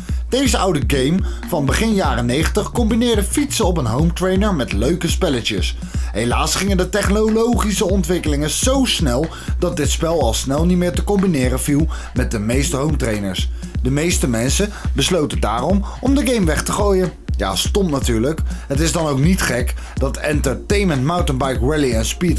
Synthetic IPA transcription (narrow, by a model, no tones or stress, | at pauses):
d̥ejzəʌwdəɡejmvɑnbəχɪnjaːrənejχəntəχkɔmbinɪːɹdəfitsəɔp̬ənɦowmtrejnəɹmɛtløɥkəspɛlət͡ʃəs | ɦejlaːsχɪŋəndətɛχnolowχisəɔntʋɪkəlɪŋənz̥owsnɛlˠ | dɑt̚dɪtspɛlˠɑlˠsnɛlˠnitmɪːɹtəkɔmbinɪːrənvilˠ | mɛt̚dəmejstəɦowmtrejnəɹsdəmejstəmɛnsəbəslowtəda̰ːrɔmɔmdəɡejmʋɛχtəχoːjənja̰ːstɔmnatyːɹləkɦətɪzdɑnowknitχɛkd̥ɑtɛntəɹtejnməntmawtənbɑjkɹɛliɛnspit